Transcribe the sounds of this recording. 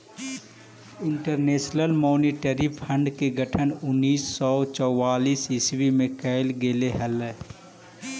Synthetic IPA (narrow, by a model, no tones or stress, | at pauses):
ɪɳʈəɾneːʃnəlmoːniʈəɾipʰə̃ɳɖkeɡʱəʈʰənʊnːiːsːɔːt͡ʃɔwaːliːsɪswimẽkəɪlɡeːleɦəlɛ